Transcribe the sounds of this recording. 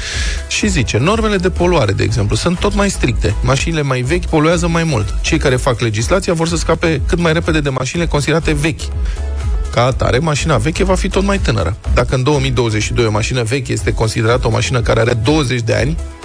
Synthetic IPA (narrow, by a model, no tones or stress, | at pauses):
ʃizit͡ʃe̞no̞rme̞le̞d̪e̞po̞luaɾe̞d̪e̞̰ːɡze̞mplusunt̪ːo̞t̪majst̪ɾik̚t̪e̞maʃinile̞majve̞kʲpo̞lujazəmajmult̪t͡ʃe̞jkaɾe̞fakle̞d͡ʒislat̪sijavo̞rs̬əskape̞kɨt̪majɾe̞pe̞d̪e̞d̪e̞maʃinile̞ko̞nsid̪e̞ɾat̪e̞ve̞kʲ | kaːt̪a̰ɾe̞maʃinave̞kʲevafit̪o̞t̪majt̪ɨnə̰ɾə̰d̪akəɨnd̪o̞əmijd̪o̞wəze̞t͡ʃʲʃid̪ojomaʃinəve̞kʲje̞st̪e̞ko̞nsid̪e̞ɾat̪əo̞ma̰ʃinəkaɾeaɾed̪o̞wəze̞t͡ʃʲd̪e̞a̰nʲ